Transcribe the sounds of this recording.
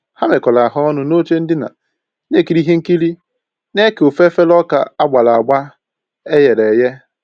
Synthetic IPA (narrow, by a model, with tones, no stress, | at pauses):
ha˦me˨kɔ˨la˨ɦɔ˦nʊ˨no˦t͡ʃe˦n̩˦dɪ˦na̰˨˦ | ne˦˨ki˨ɾi˦ɦe˦ŋ̩˦ki˦li˦ | ne˦ke˨o˨fe˦fe˦lɔ˦ka̰˨a˦ɡ͡ba˨la˨a˨ɡ͡ba˦ | e˦je˨ɾe˨je˦